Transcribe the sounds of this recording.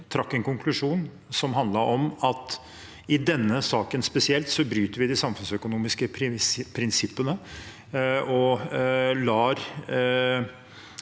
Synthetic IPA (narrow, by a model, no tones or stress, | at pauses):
t̪ʰɾɑkːɛnkʊŋkʰlʉʂuːn | sɔmɦɑnd̪lɑɾʔɔmɑt̪ | ɪd̪ɛnːəsɑːkənspɛsɪɛlt̪sɔbɾyːt̪əɾʋɪd̪ɪsɑmfʉnsœkʊnuːmɪskəpʰpʰːɾɪnsɪpːənə | ɔ | lɑːɾ